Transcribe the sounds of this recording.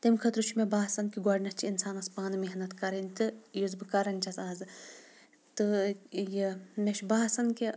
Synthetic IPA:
t̪emkʰɐt̪ɾut͡ʃʰumebaːsɐnkʲiɡoːɖnɐt͡ʃʰiinsaːnɐspaːnɨmiɦnɐt̪kɐɾɐnʲt̪ɨjuzbɨkɐɾɐnʲt͡ʃʰɐsaːzɨ | t̪ɨjimeʃbaːsɐnki

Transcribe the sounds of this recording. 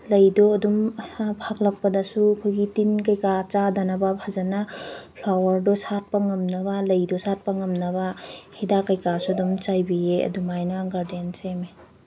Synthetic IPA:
lɐjdɔɐdumpʰaklɐk̚pɐdɐsukʰojɡitinkɐjkat͡ʃadanɐbapʰazanɐpʰlawɐɾdɔsat̚pɐŋɐmnɐbalɐjdɔsat̚pɐŋɐmnɐβahidakɐjkasuɐdumt͡ʃajbieɐ̰dumajnɐɡaɾdenseme

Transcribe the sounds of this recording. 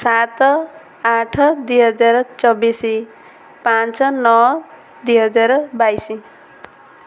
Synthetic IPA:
sat̪ʌ | aʈʰʌd̪iɦʌd͡zaɾt͡sʌbisi | pant͡sʌnʌ | d̪iɦʌd͡zaɾʌbajsi

